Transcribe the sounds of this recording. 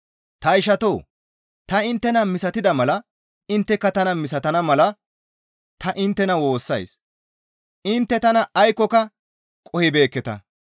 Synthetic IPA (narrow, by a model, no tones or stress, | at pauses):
t̪ɐɪʃɐt̪oː | t̪ɐɪnt̪ːɛnɐmɪsɐt̪ɪd̪ɐmɐlɐ | ɪnt̪ːɛkːɐt̪ɐnɐmɪsɐt̪ɐnɐmɐlɐ | t̪ɐʔɪnt̪ːɛnɐwo̞ːsːɐ̰js | ɪnt̪ːɛt̪ɐnɐʔɐjkːɔkɐ | kʼɔhɪbe̞ːkːɛt̪ɐ̰